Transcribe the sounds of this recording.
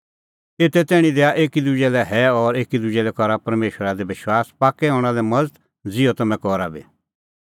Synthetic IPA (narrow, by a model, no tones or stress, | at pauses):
eːt̪ɛt̪ɛːɽ̃ĩd̪eaʔeːkid̪ud͡ʒɛlɛɦɛɔːɾeːkid̪ʊd͡ʒɛlɛkɔɾapɐɾmeːʃəɾad̪ebɪʃwaːspaːkɛɦɔ̃ːɽ̃alɛmɐd͡zt̪ | d͡zɪɔt̪ɐmɛ̃kɔːɾabḛː